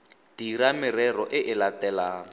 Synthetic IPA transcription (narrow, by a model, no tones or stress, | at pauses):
d̥iɾamɪrɛrɔʔɪʔɪlatɛla